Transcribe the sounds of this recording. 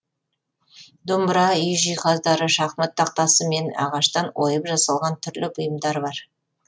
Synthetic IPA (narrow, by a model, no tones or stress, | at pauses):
d̪ʊmbɾɑʏjʒijqɑzd̪ɑɾəʃɑχmət̪ːɑq̚t̪ɑsəme̞nɑ̰ʁɑʃt̪ɑnwo̞jəpʒɑsɑlˠʁɑnt̪ʰʏɾlɪpʊjəmd̪ɑɾbɑɾ